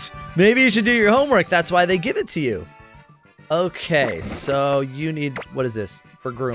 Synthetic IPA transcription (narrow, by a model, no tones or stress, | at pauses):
meɪbijɨʃɨdɨjə˞hõʊ̃mwɜ˞k̚ðætswaɪðeɪɡɪvɨtʰɨjʉ̰ | oʊkʰeɪsoʊjɨnid̚wʌɾɨzðɪs | fə˞ɡɹʉ̃